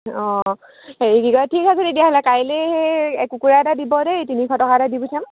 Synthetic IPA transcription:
ɔ | eiɡiɡɔɹatʰikasodediaɦɔlɛkajleeɛkukuɹaɛtadibɔdetinikʰɔtɔkaɛtadibutʰam

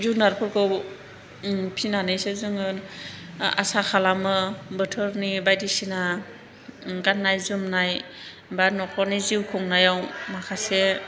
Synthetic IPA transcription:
zunaɾpʰɯɾkʰɯw | pʰinanɯjsezɯŋɯɾ | a̰sakʰalamɯbɯtʰɯɾnibajdisina | ɡannːajzumnaj | baɾnɔkʰɔniziwkʰɔŋnajawmakʰase

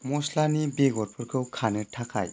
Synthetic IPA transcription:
mɔslanibeɡɔɾpʰɯɾkʰɯwkʰanɯtʰakʰa̰j

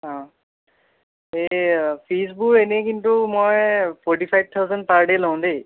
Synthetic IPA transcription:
ɦã | epʰis̬buɹenekintumojpʰɔɹʈipʰajb̚t̪ʰawzand̚paɹɖelow̃de

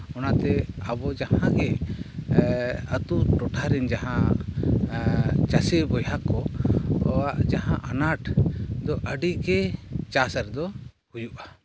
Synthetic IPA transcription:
ɔnat̪ɛabɔd͡ʒahãɡɛ | ət̪uʈɔʈʰaɾɛnd͡ʒaɦã | t͡ʃasɛbɔjakɔɔwaʔd͡ʒaɦãʔanaʈd̪ɔʔəɖiɡɛt͡ʃasəɾd̪ɔ | hujuʔa

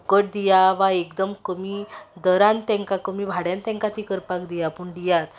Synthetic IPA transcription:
kəʈ̚d̪ijaʋaekd̪əmkəmid̪əɾãnt̪ɛ̃ŋkakəmibʱaɽjãnt̪ɛ̃ŋkat̪ikəɾpakd̪ijapəɳɖ̪ijat̪

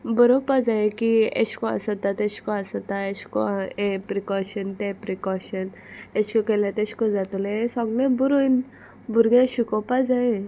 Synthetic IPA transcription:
bəɾɔpad͡zajẽkiḛɕkɔa̰sɔt̪at̪eɕkɔasɔt̪aeɕkɔ̰epɾikɔɕənt̪epɾikɔɕən | eɕkɔkelãt̪eɕkɔd͡zat̪uleesɔɡnebuɾun | buɾɡẽɕukɔpad͡zae

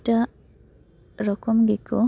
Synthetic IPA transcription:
ta | ɾɔkɔmɡikɔ̰

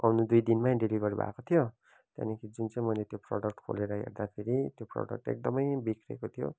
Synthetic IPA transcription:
awnud̪ujd̪inmãɖeliɡʌɾubʱa̰kot̪ʰijo | t̪ja̰nikʰid͡zunt͡saj̃mʌjlet̪jopro̰ɽʌk̚ʈkʰo̰leɾʌɦḛrd̪apʰeɾit̪jopro̰ɖʌ̰k̚ʈḛk̚d̪ʌmʌjbikʰrekot̪ʰijo̰

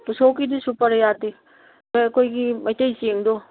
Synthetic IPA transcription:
pusokidisupɐɾjate | bɐjɐkʰojɡimɐjtɐjseŋdo

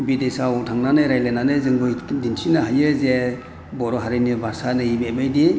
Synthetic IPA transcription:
bidesaɔtʰaŋnanɯjɾajlenanɯzɯŋbɯjdinsʰinaɦajɯze | bɔɾɔɦaɾinibʱasanɯibemajdi

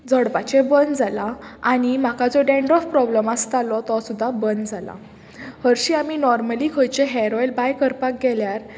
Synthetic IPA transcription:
d͡zɔɽpat͡ɕebənd͡zʱalaaɽ̃im̤akad͡zɔɖɛ̃ɳɖɾɔfpɾɔbləmast̪alɔt̪ɔsud̪ʱːabənd͡zʱala̰ | həɾɕiaminɔɾməlikʰəjt͡ɕeɦɛɾɔjelbajkəɾpak̚ɡɛljaɾ

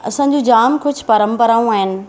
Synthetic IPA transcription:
ɐ̰sãːd͡ʑũːd͡ʑaːmkʊd͡ʑʱpɐɾə̃mpəɾaːũaːɦɪnɪ̆

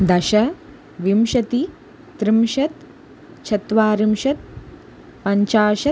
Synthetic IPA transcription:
d̪ɐʃɐ | ʋimʃɐt̪i | t̪ɾimʃɐt̪ | t͡ʃʰɐt̪ʋaːɾimʃɐt̪̚ | pɐɲt͡ʃaːʃɐ

